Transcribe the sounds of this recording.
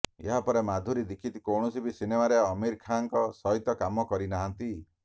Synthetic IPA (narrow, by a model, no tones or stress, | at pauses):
ḛɦapɔɾemad̪ʱuɾid̪ikʰit̪ikɔwɳ̃ɔsibʱisinemaɾeɔmiɾkʰaŋkɔsɔɦit̪ɔkamɔkɔɾinaɦant̪i